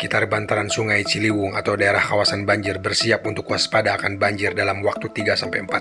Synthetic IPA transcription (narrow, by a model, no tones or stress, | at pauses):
kit̪arbant̪aɾansuŋajt͡ʃiliwʊŋat̪awdaeɾahkawasanbaɲd͡ʒɪrbərsiap̚unt̪ʊkːuaspadaːkanbaɲd͡ʒɪrdalamwak̚t̪ut̪iɡasampajəmpat̪̚